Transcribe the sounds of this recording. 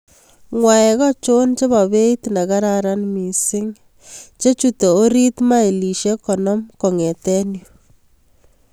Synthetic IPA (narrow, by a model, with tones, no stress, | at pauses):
ŋwa˨ɛ˨kɔ˦t͡ʃo˦nt͡ʃe˦βa˨βe˦i˦tna˨ka˦ɾa˨ɾa˦nmi˨sɪ˦ŋ | t͡ʃe˦t͡ʃutɔ˨o˦ɾi˦tma˦i˨li˨ʃe˦kɔ˨nɔ˦mko˨ŋɛ˨tɛ˦njo˨